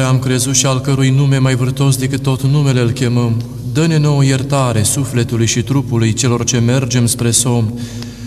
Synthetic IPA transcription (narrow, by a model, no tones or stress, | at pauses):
amkɾe̞zut̪ʃialkəɾujnume̞majvɨrt̪o̞s̬d̪e̞kɨt̪ːot̪nume̞leɨlkʲe̞məm | d̪əne̞no̞oje̞rt̪aɾe̞sufle̞t̪ulujʃit̪ɾupulujt͡ʃe̞lo̞rt͡ʃe̞me̞rd͡ʒe̞mspɾe̞so̞m